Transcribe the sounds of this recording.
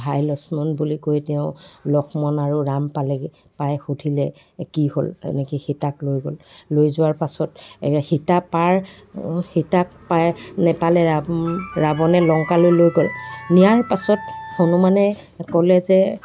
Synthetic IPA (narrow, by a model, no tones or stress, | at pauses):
ɦajlɔsmɔnbulikojtɛʊ̃lɔxʰmɔnaɹuɹampalɛ | pajxudʱilɛ | kiho̰lɛ̰nekixitaklojɡollojzʊwaɹpasɔtxitapaɹ | hitak̚pajnɛpalɛaɹabɔnɛlɔŋkalojlojɡolnijaɹpasɔtxonumanɛ | kɔlɛzɛ